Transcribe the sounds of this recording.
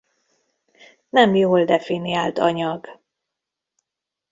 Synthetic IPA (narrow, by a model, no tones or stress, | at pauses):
nɛmjoːld̪ɛfiniaːlt̪ɒɲɒɡ